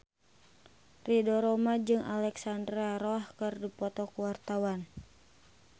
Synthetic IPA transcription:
ridɔɾɔmad͡ʒɨŋalɛksandɾaɾɔhkɨrdipɔt̪ɔkuwart̪awan

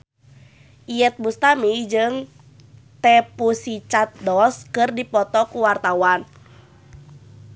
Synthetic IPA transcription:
ʔijɛt̪̚bust̪amid͡ʒɨŋ | t̪ɛpusit͡ʃat̪̚dɔskɨrdipɔt̪ɔkuwart̪awan

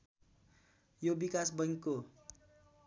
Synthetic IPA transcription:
jobikasbʌŋikːo

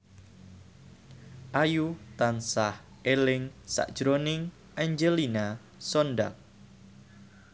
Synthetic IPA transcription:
ʔajut̪ansah | ʔelɪŋsa̰ʔd̥ʒ̥ɾonɪŋ | ʔaɲd͡ʒelina | sonda̰k̚

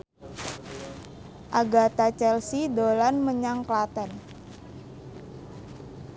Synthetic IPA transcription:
ʔaɡat̪at͡ʃɛlsidolanməɲaŋklat̪ən

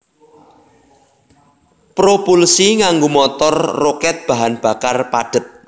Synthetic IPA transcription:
pɾopulsiŋaŋɡomɔt̪ɔrːokɛt̪̚b̥a̤ɦanb̥a̤karpaɖ̥ə̤t̪̚

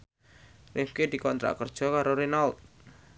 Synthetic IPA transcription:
rɪfked̪̥i̤kɔnt̪ɾa̰ʔkərd̥ʒ̥ɔ̤kaɾoɾinalt̪̚

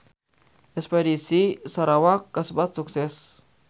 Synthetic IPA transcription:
ʔɛkspɛdisisaɾawakːəsəbat̪̚suksɛs

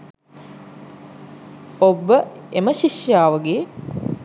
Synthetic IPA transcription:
obəeməʃiʃjaːʋəɡe

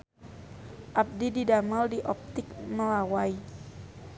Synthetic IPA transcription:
ʔap̚dididamaldiʔɔp̚t̪ɪk̚məlawai

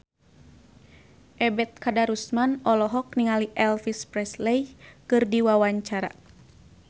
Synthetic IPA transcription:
ʔɛbɛt̪̚kadaɾusmanɔlɔɦɔk̚niŋaliʔɛlfispɾɛslejkɨrdiwawaɲt͡ʃaɾa̰

